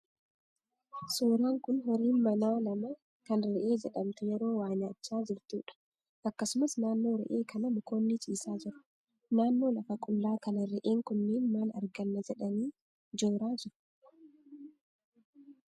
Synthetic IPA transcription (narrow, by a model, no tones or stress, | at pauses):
suːɾaːŋkʊnɦɔɾiːnmɐnaːnɐmɐ | kɐnɾɛʔe̞ːd͡ʒɛɗɐmt̪ɛjɛɾo̞ːwaːnɐt͡ʃːaːd͡ʒɪɾt̪uːᶑɐ̥ | ʔɐkːɐsʊmɐsnaːnːo̞ːɾɛ̰ʔeːkʰɐnɐmʊkoːnːɪt͡ʃʼiːsaːd͡ʒɪɾʊ̥ | naːnːo̞ːlɐfɐkʼʊlːaːkɐnɐɾɛʔeːŋkʊnːɪnmaːnɐ̰ɾɡɐnːɐd͡ʒɛᶑɐniː | d͡ʒoːɾaːd͡ʒɪɾʊ̥